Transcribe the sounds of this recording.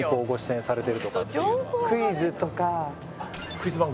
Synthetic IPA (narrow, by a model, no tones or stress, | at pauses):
ipːoːɡoɕi̥sẽnsaɾe̞t̪e̞ɾɯ̟t̪okakɯizɨt̪oka | kɯizɨbaŋ